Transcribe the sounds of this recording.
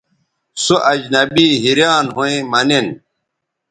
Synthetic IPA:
suʔɐd͡ʑnɐbiːɦiɾjaːnɦuẽmɐnen

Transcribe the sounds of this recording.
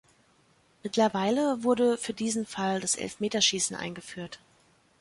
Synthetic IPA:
mɪtʰlɐvaɪləvʊɐɾəfyːɐdiːzn̩faldasʔɛ̰lfmeːtɐʃiːsn̩ʔa̰ɪnɡəfyːɐt

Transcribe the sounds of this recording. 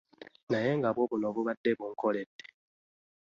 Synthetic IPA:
najeŋɡaβɔβunɔβuβadeβuŋ̩kɔlede̥

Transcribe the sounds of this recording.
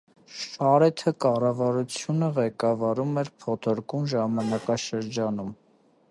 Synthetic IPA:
ʃɑɾɛt̪ʰəkɑrɑvɑɾut͡sʰjunəʁɛkɑvɑɾumɛɾpʰɔt̪ʰɔɾkunʒɑmɑnɑkɑʃəɾd͡ʒɑnum

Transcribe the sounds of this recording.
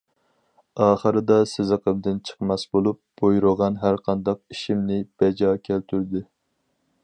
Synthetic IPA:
ɑːχəɾɨd̪ɑsɪzɨqəmd̪ɪnt͡ʃʰə̥qmɑsbolˠup̚b̥ojɾʊʁɑnɦæɾqʰɑnd̪ɑq̚iʃimnɪb̥ɛd͡ʒɑkʲʰælt̪ʰyɾd̪ɪ

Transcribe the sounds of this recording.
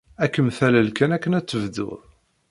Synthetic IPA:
ækːəmθæləlkænækːənæt͡sːəvd̪ʊ̰ðˤ

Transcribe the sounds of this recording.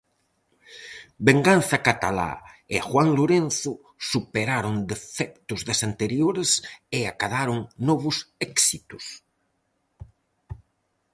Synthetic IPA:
beŋɡanθɐkat̪ala̰eaxwaŋloɾen̟θʊ | supeɾaɾond̪efɛk̚t̪ʊzðesant̪eɾjoɾeseakaðaɾʊŋnɔβʊsɛksit̪ʊs

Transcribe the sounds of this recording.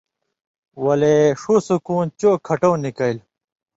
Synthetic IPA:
wɐleʂusukuːnt͡ɕoːkʰɐʈõːnikɐil

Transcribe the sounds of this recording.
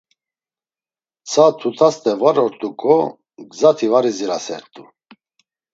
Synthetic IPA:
t͡sʰat̪ʰut̪ʰast̪ʼɛvaɾɔɾt̪ʼukʰʼɔ | ɡzat̪ʰivaɾiziɾasɛ̰ɾt̪ʼu

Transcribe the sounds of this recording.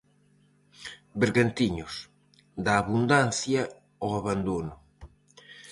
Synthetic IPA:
beɾɣant̪iɲʊs | d̪aːβund̪an̟θjɐ | oaβand̪onʊ

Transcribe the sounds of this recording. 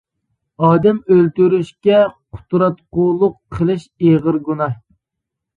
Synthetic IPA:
ɑːd̪ɛmølt̪yɾyʃkʲɛqʰʊ̥t̪ɾɑt̪̚qʊlˠʊqʰːəlˠɨʃeʁəɾɡunɑ

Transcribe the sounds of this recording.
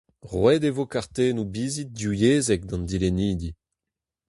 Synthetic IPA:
ʁwɛdevokaʁt̪eːnubiːzit̚djujeːzɛk̚d̪ɑ̃nd̪ileniːd̪i

